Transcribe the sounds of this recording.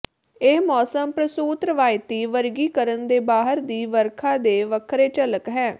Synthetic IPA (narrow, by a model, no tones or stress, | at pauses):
eːmɔːsəmpɾəsuːt̪ɾəʋaːɪt̪iːʋəɾɡiːkəɾənd̪eːbaːɦəɾd̪iːʋəɾkʰãːd̪eːʋəkʰɾeːt͡ʃələkɦɛː